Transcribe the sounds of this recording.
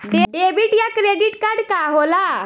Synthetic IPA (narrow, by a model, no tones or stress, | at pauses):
ɖeebiːʈjakɾeɖiʈkaɾɖkaɦola